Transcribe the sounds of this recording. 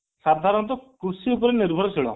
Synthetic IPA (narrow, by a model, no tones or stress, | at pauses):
sad̪ʱaɾɔnt̪ɔkɾusiup̬ɔɾeniɾbʱɔɾɔsʰiɭɔ̰